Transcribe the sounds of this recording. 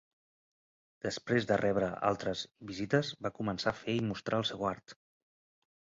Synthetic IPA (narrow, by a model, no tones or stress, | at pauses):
d̪̥əspɾezðərɛβɾəa̰lˠt̪ɾəzβizit̪əzbakumənsafeimust̪ɾʔaəlˠsɛwaɾt̪